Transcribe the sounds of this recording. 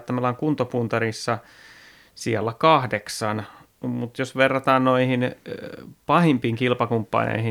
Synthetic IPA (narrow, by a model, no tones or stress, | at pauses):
t̪ːæmelɑːŋkunt̪opunt̪ɑrisːɑ | siælːækɑhdeksɑn | mut̪josʋerːɑt̪ɑːnnoihin | pɑhimpiːŋkilpɑkumpːɑ̰nḛihi